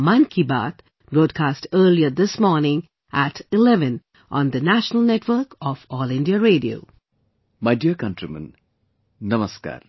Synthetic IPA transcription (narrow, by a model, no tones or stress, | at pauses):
mãnkʰiba̰t̪ | bɾoːɖ̚kʰasʈəːliəd̪ɪsmɔːɾnɪ̃ŋ | ʔæʈɪlɛʋɨ̃n | ʔɔ̃nd̪ənæʃənəlˠnɛʈwəɾkɔfɔlɪ̃ndiaɾeːɖio̰ː | majdiəkãntɾimə̰̃n | nɐməska̰ɾ